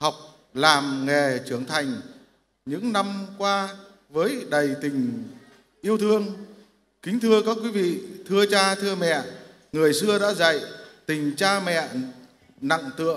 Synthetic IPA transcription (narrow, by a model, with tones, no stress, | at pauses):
ha˨˩wk͡p̚ | laː˨˩mŋɛ˨˩t͡ɕɨ˨˩əŋt̪ʰa˨˩jŋ̟ | ɲɨ̰˧˥ŋna˧mkwaː˧ | vəː˨˦jɗə˨˩jt̪ï˨˩ŋ̟ | ʔi˧əwt̪ʰɨ˧əŋ | kï˨˦ŋ̟t̪ʰɨ˧əkaː˨˦˥k̚wi˨˦vḭ˧˨t̪ʰɨ˧ət͡ɕaː˧t̪ʰɨ˧əmɛ̰˧˨ | ŋɨ˨˩əjsɨ˧əɗa̰ː˧˥za̰˧˨jt̪ï˨˩ŋ̟t͡ɕaː˧mɛ̰˧˨ | na̰˧˨ŋt̪ɨ̰˧˨əŋ